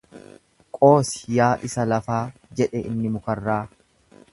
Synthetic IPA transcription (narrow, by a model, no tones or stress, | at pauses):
kʼo̞ːsɪ̥jaːʔɪsɐlɐfaːd͡ʒɛᶑɛɪ̰nːɪmʊkɐrːaː